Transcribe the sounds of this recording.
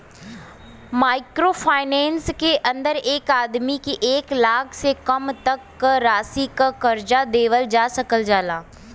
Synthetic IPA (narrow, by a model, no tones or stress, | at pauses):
maːɪkɾoːfʰaːɪnɛ̃ːnskeʔɐ̃nd̪əɾeːkaːd̪mikiʔeːklaːkʰsekɐmt̪ɐkːɾaːsikakɐɾd͡ʒad̪eːʋəld͡ʒaːsɐkəld͡ʒaːlaː